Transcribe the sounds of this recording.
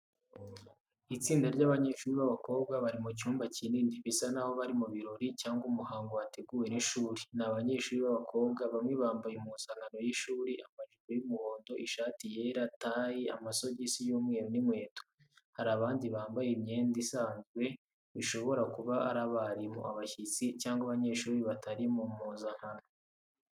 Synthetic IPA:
it͡siːndaɾɟaːβaɲe̞ːʃuːɾiβaβako̞ːβɡaβaɾimuc̬uːmbaciniːndiβisanaho̞βaɾimuβiɾo̞ɾicaːŋɡumuhaːŋɡoate̞ɡuːwe̞niʃuːɾinaβaɲe̞ːʃuːɾiβaβakʰo̞ːβɡaβamŋe̞βaːmbajemunsaːŋɡano̞jiʃuːɾiʔamaʒuɾojumuho̞ːndo̞ʔiʃaːtijeɾataːjia̰maso̞ɟisijuːmŋeːɾonimwe̞ːto̥ | haɾaβaːndiβaːmbajimɲe̞ːndisaːnzɡwe̞ | βiʃo̞βo̞ɾakuβaa̰ɾaβaɾimṵʔaβaçit͡sicaːŋɡwaβaɲe̞ːʃuːɾiβataɾimumuːzan̥hano

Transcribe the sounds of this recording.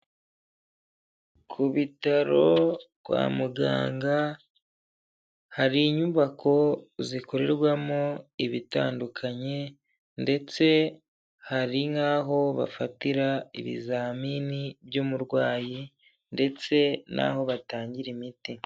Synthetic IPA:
kʰuβitaɾo̞kwa̰ːmuɡa̰ːŋɡa | haɾiːɲuβakʰo̞ziko̞ɾe̞ɾɡwamoiβita̰ːndukʰaɲe̞ | nde̞t͡se̞ | haɾiŋaːɦo̞βa̰fatiɾaḭβḭzaːminibjomuɾɡwaːji | nde̞t͡se̞nʔa̰ho̞βataːɲɟiɾimiti

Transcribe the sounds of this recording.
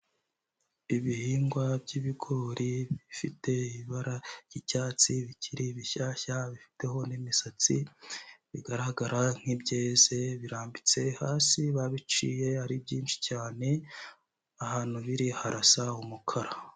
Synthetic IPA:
iβihiːŋɡwabɟiβiɡo̞ɾiβifite̞iiβaɾaɾj̥icaːt͡siβicʰiɾiβiçaːçaβifi̥te̞ho̞nimisat͡si | βiɡaɾaɡaɾaŋ̥hibɟeːze̞βiɾaːmbit͡se̞haːsiβaβit͡ʃḭːje̞aɾibɟiːnt͡ʃi̥caːne̞ | ahaːn̥huβiɾihaɾasaumukʰaɾa

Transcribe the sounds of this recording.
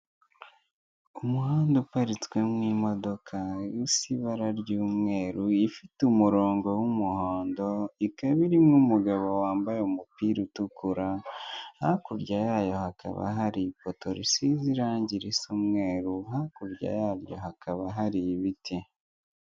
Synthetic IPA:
umuɦaːndupaɾit͡swe̞mŋiːmo̞do̞kʰajusiβaɾaɾɟuːmŋe̞ːɾuifitumuɾo̞ːŋɡo̞wumuhoːndo̞ikaβiɾimŋumuɡaβo̞waːmbajeumupiːɾutukuɾahakuɾɟajaːjo̞hakʰa̰βa̰ɦaɾipoto̞ɾḭsiziɾaːɲɟiɾisumŋe̞ːɾuɦakuɾɟa̰jaːɾjo̞̰hakʰaβaɦaɾiβitʰi

